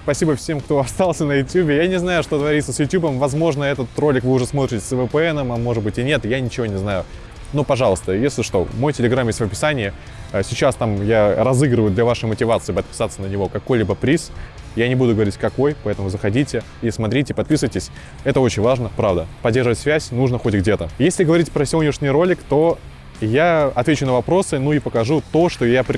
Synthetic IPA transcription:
spɐsʲibəfsʲe̞mkt̪o̞ɐst̪ɑlˠsʲənəjʊtʲjubʲɪjanʲɪznajʊʂt̪ot̪vɐɾʲit̪səsjʊtʲjubəmvɐzmo̞ʐnəɛt̪ət̪ro̞lʲɪkvɨʊʐɛsmo̞t̪ʲɾʲɪtʲɪ̥səvɨpəɛnəmɐmo̞ʐɨd̪bɨtʲɪnʲet̪janʲɪt͡ɕɪvo̞nʲɪznajʊ | nupɐʐɑlˠəst̪əjesʲlʲɪʂt̪o̞̰mo̞jtʲɪlʲɪɡɾamjesʲt̪ʲvəpʲɪ̥sanʲɪɪ | sʲɪt͡ɕast̪amjaɾɐzɨɡɾəvəjʊd̪lʲɐvaʂɨjmətʲɪvat̪sɨɪpət̪̚pʲɪ̥sat̪sənənʲɪvo̞kɐko̞jlʲibəpɾʲis | janʲɪbud̪ʊɡəvɐɾʲitʲkɐko̞jpɐɛt̪əmʊzəxɐdʲitʲɪ | ismɐt̪ɾʲitʲɪpɐt̪̚pʲisɨvəjtʲɪsʲ | ɛt̪əo̞t͡ɕɪnʲvaʐnəpɾavd̪əpɐdʲːerʐəvətʲsvʲæsʲnuʐnəxo̞tʲɡdʲe̞t̪əjesʲlʲɪɡəvɐɾʲitʲpɾəsʲɪonʲɪʂnʲɪjɾo̞lʲɪkt̪o̞ | jaɐt̪vʲet͡ɕʊnəvɐpɾo̞sɨnuipəkɐʐut̪o̞ʂt̪o̞japʲ

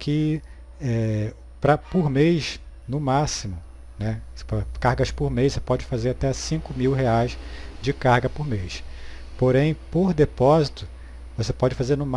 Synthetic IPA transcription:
kʰɪ | ɛ | pɾɐpʊɾmejʃ | nʊmasimʊ | nɛpɾɐkahɡɐspʊɾmejʃsepɔd͡ʒɪfazeɾat̪ɛsĩkʊmiwɦeajsd͡ʒɪkahɡɐpʊɾmejʃ | poɾẽj̃poɾd̪epɔzit̪ʊ | vosepɔd͡ʒɪfazeɾnʊm

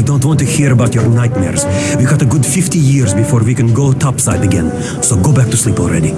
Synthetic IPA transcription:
dõʊ̃ntwɑ̃ntɨhiɹəbaʊtjəɹnaɪt̚mɛ̰ɹz̥wiɡɑɾəɡʊdfɪftijɪɹzbɨfɔɹwikɨ̃nɡoʊtʰɑpsaɪdɨɡɛ̰̃n | soʊɡoʊbæk̚tʰuslipɔl̩ˠɹɛ̰ɾi

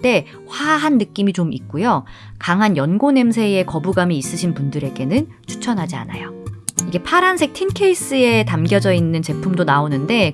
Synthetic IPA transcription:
t͈e̞ | ɸwaɦanːɯk͈imit͡ɕomik̚k͈ujo | kaŋɦanjʌnɡone̞msʰe̞e̞kʌbuɡamiːs͈ɯɕʰinpundɯɾe̞ɡe̞nɯn | t͡ɕʰu̥t͡ɕʰʌnɦad͡ʑia̰na̰joiɡe̞pʰaɾansʰe̞k̚tʰinkʰe̞is͈ɯe̞tamɡjʌd͡ʑʌinːɯnt͡ɕe̞pʰumdonaonɯnde̞

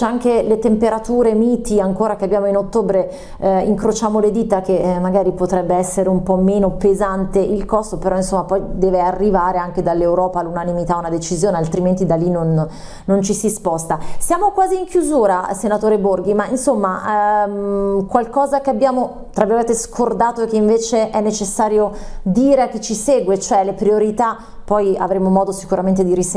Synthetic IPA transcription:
t͡ʃɛaŋk̟elet̪empeɾat̪uːɾemiːt̪iaŋkoːɾakeabːjaːmoinot̪ːoːbɾe | ḭŋkɾot͡ʃaːmoled̪it̪ak̟emaɡaːɾipot̪ɾɛbːeɛsːeɾeumpɔmːeːnopezant̪eʔilkɔst̪opeɾʔɔinsomːapɔjd̪ɛːvearːivaːɾeaŋked̪alːewɾɔːpaːlːunanimit̪aunad̪et͡ʃizjoːnealt̪ɾiment̪id̪alːinonː | ont͡ʃisispɔst̪asjaːmokwaːziːŋkjuzuːɾasenat̪oːɾeborɡimainsomːa | kwalkɔːzakeabːjaːmo | t̪ɾaviɾment̪eskʰord̪aːt̪oek̟eiɱveːt͡ʃeʔɛnːet͡ʃesːaːɾjod̪iːɾeak̟ːet͡ʃːisɛːɡwet͡ʃoɛlepɾioɾit̪a | pːɔja̰vɾemomɔːd̪osi̥kuɾament̪̬ed̪iɾis

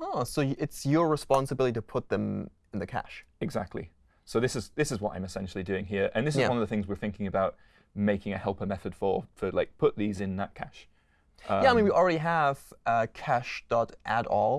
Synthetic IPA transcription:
ɑsoʊjɪtsjə˞ɹɪspɑ̃nsəbɪlˠəɾiɾəpʰʊt̪̚ðə̃m | ɪ̃n̩ðɨkʰa̰ʃɪɡza̰k̚tʰˡlḭ | soʊðɪsɨzðɪsɨzwɒtã̰ɪ̃mɨsɛ̃nʃl̩ˠidʉɪ̃ŋɦiəɹʔə̰̃nðɪs̬ɪzwʌ̃nʌvðəθɪ̃ŋzwɪɹθɪ̃ŋkɪ̃ŋɨbaʊt̚ | meɪkɪ̃ŋɨhɛlˠpəmɛθəd̥fə˞fəlaɪk̚pʰʊʔ̪̚ðizɪ̃nðə̰ʔ̚kʰa̰ʃ | ʌæaɪmĩnwil̩ˠɹɛɾiəv̥ʌkʰæʃd̥ɒtʔæ̰ɾɔlˠ

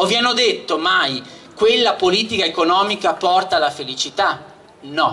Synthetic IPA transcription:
ovjanod̪et̪ːomaj | kwelːapoliːt̪ikaekonɔːmikapɔrt̪alafelit͡ʃit̪a | nɔ

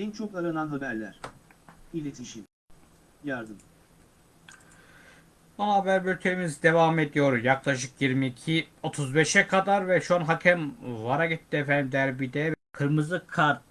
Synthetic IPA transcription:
ɛnt͡ʃʰokaɾɯnanabæɾlʲæɾ̥ | ilʲet̪ʰiʃim | jaɾd̪ɯm | anaabæɾbylʲt̪ʰeimizd̪e̞vaːmed̪ijo̞ɾjaklˠaʃ̬ɯkjiɾmiːcʰio̞t̪ʰuzbeʃɛkʰad̪aɾvɛʃuanɦacʰɛmvaɾaɡit̪ːiefɛnd̪imd̪æɾbid̪ɛvɛkʰɯɾmɯzɯkʰːaɾt̪̚

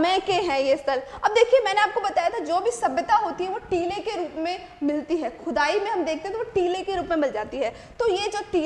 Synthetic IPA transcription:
mɛ̃keɦɛ̃ːjeɪst̪əlɐb̚d̪eːkʰiemɛ̃ːneaːp̚kobɐt̪aːjat̪ʰad͡ʒoːbʱisɐbət̪aɦoːt̪iɦɛ̃ʋoʈiːlekeɾuːpmẽ | mɪlt̪iɦɛːxʊd̪aːimẽɦɐmd̪eːk̚ʰt̪ẽɦɛ̃t̪oʋoʈiːlekeɾuːpmẽmɪld͡ʒaːt̪iɦɛː | t̪ojed͡ʒɐb̚ʈiː

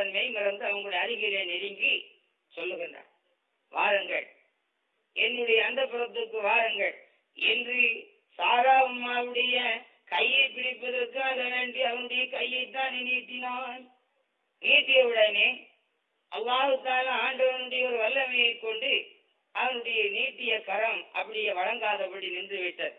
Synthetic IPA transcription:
ɐnmeɪnɪɾɐnd̪ɯɐʋɐŋɡɐɭɔɽɐjɐɾɪɣɪɾeːnɛɾɪŋɡi | sɔlːɯɣɪndra̰ː | ʋa̰ːɾɐŋɡɐ̰ɭ | ɛnːɯɽɐjɐːnd̪ɐpːɪɾɐt̪ːɯkːɯʋaːɾɐŋɡɐɭ | ɛndrɯ | saːɾaːʋɯnmːaːʋɯɽɐjɐ | kɐjːɐɪpɪɽɪpːɐðɐɾkːɯɐðɐɾɐɳɖɯɐʋɐnɯɽɐjɐkɐjːɐɪt̪̬ːãːnɪniːt̪ːɪnaː | niːʈːɪjɐʋɪɽɐneː | ʔɐlːaːɣɯt̪ːaːlaaːɳɖɐʋɐnɯɽɐjɐɔɾɯʋɐlːɐmɐjɐɪkːɔɳɖɯ | ʔɐʋɐnɯɽɐjɐniːʈːɪjɐkɐɾɐmʔɐ̰pːɐɽɪjɐʋɐɻɐŋɡaːðɐpːɐɽinɪndrɯʋɪʈːɐð

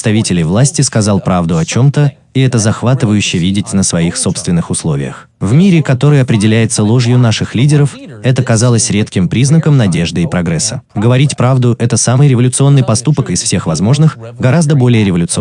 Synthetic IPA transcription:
st̪ɐvʲitʲɪlʲɪjvlˠasʲtʲɪskɐzɑlˠpɾavd̪ʊɐt͡ɕo̞mt̪ə | iɛt̪əzɐxvat̪ɨvəjʉɕːɪəvʲidʲɪtʲnəsvɐixso̞pst̪vʲɪnːɨxʊslˠo̞vʲɪ̰jə̰x | vmʲiɾʲɪkɐt̪o̞ɾɨjəɐpɾʲɪdʲɪlʲæjɪt̪səlˠoʐjʊnaʂɨxlʲidʲɪɾəf | ɛt̪əkɐzalˠəsʲɾʲe̞t̪kʲɪmpɾʲiznəkəmnɐdʲe̞ʐd̪ɨɪpɾɐɡɾɛsːəɡəvɐɾʲitʲpɾavd̪ʊʔɛt̪əsamɨjɾʲɪvəlʲʊt̪sɨo̞nːɨjpɐst̪upəkɪsfsʲe̞xvɐzmo̞ʐnɨx | ɡɐɾazd̪əbo̞lʲɪjəɾʲɪvəlʲʊt̪sɨ

